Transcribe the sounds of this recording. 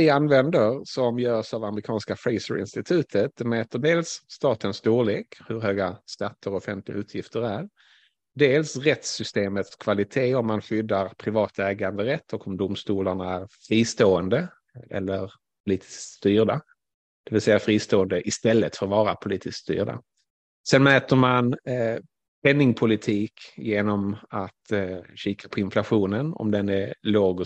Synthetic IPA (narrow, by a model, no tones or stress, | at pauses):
vɪanvɛnd̪əɾsɔmjœːsavamɾɪkʰɑːnskafɾɛɪsə̰ɾɪ̰nst̪ɪt̪ʰʉ̟ːt̪ʰət̪̚d̪ɛmɛːt̪əɖeːlsːt̪ɑːt̪ənst̪uːɭeːkhɵɾɦøːɡast̪at̪ʰːəɾɔɔfɛnt̪ʰlɪɡaʉ̟ːt̪ʰjɪft̪əɾæɾ | ɖeːlsɾɛt̪sʏst̪eːmət̪skʰv̥alɪt̪ʰeːɔmːanɧʏd̪ːaɾpʰɾɪvɑːt̪ʰɛːɡand̪əɾɛt̪ʰːɔkɔmd̪ʊmst̪uːlaɳaæɾfɾiːst̪oːənd̪ə | ʔɛ̰lːəɾ | pʰʊliːt̪ʰɪ̥sst̪yːɾɖa | d̪̥ɛvɪlsɛjːafɾiːst̪oːənd̪əʔɪst̪ɛlːət̪fœɾɔvɑːɾapʰʊliːt̪ɪskst̪y̰ːɾɖa̰ | sɛnmɛːt̪əɾman | pʰɛnːɪŋpʰʊlɪt̪ʰiːkjeːnɔmat̪ɕiːkʰḁpʰɔɪnflaɧuːnənɔ̰md̪ɛnɛloːɡ